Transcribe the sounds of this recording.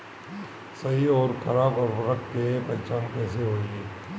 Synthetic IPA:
sɐɦiɔːɾkʰɐɾaːbɔːɾbɐɾəkkepɛɦt͡ʃaːnkɛːseɦoːiɡeː

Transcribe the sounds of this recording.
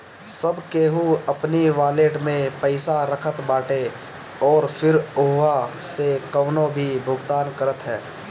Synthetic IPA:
səbkeːɦuəpniʋaːleːʈmẽpəɪsaɾəkʰət̪baːʈe | ɔːɾpʰɪɾʊɦʋasekəːnõbʱibʱʊɡd̪aːnkəɾət̪ɦɛː

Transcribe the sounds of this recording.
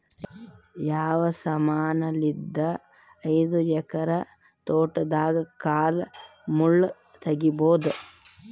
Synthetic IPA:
jaːʋɐsɐmaːnɐlid̪ːɐː | jd̪ujɛkɐɾɐ | t̪oːʈɐd̪aːɡɐkaːl | muɭː | t̪ɐɡiboːd̪ɐ

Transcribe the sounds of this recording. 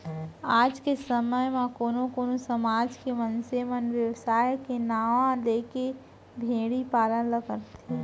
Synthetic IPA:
aːd͡ʒkesəməjmãkoːnõkoːnosəmaːd͡ʒkemənsemənʋjəwsaːjkenaːʋãleːke | bʱeːɽipaːlənləɡəɾt̪ː

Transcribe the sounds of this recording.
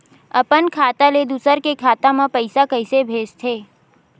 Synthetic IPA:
əpənkʰaːt̪aled̪usəɾkekʰaːt̪ãmãpəɪsakəɪsebʱeːd͡ʒt̪ʰeː

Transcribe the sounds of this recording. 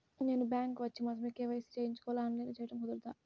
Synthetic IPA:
ne̞ːnubaːŋkʋɐt͡ʃːimɐsɐmikːeːʋɐjɐsi̥t͡ʃejiɲt͡ʃu̥kɔʋlaːɐnleːnat͡ʃɛjɐʈɐmkud̪uɾt̪aː

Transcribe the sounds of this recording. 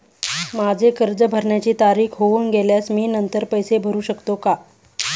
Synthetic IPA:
mad͡zʱekəɾd͡zəbʱəɾɳjat͡ɕiːt̪aɾiːkʰɦouːnɡeljasmiːnənt̪əɾpəjsebʱəɾuːɕəkt̪oka

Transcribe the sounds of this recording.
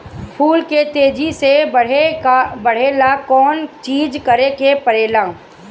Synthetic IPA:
pʰuːlket̪eːd͡ʒiseebɐɽ̤eːlakɔːnt͡ʃiːd͡ʒkɐɾekepɐɾeːlãː

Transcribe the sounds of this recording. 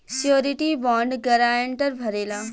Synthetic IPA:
sijoːɾiʈibɔ̃ːɳɖɡɐɾaːəɳʈəɾbʱɐɾeːlaː

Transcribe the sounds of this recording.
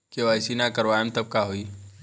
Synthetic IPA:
keʋaɪsinakɐɾʋaːemt̪ɐb̚kaɦoiː

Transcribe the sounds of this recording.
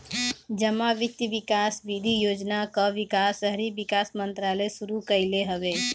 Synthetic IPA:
d͡ʒəmaʋik̚t̪iʋikasʋid̪ʱijoːd͡ʒnakəʋikasəɦɾibikasmənt̪ɾaləjsuɾukəɪleɦəʋe

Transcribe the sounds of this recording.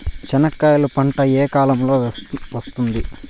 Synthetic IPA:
t͡ʃɛnɐkːaːjɐlupɐɳʈɐeːkaːlɐmlo̞ːʋɐst̪und̪i

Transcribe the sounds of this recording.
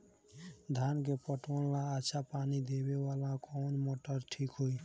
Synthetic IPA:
d̪ʱankepɔʈɔllaːtːʃʰapanid̪ebewalãkɔnmoʈəɾʈʰikɦoj

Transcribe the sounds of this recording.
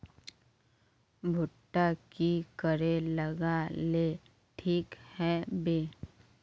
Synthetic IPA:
bʱʊʈːakikəɾeləɡale | ʈʰiːkhɛbeː

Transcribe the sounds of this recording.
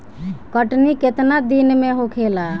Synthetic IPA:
kəʈniket̪nad̪inmeɦokʰela

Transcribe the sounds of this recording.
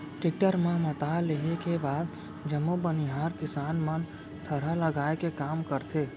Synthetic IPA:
ʈɪk̚ʈəɾmẽmət̪aleɦekebaːd̪ | d͡ʒəmːobəniɦaːɾkɪsaːnmən | t̪ʰəɽ̤aləɡaːekekaːmkəɾt̪ʰe

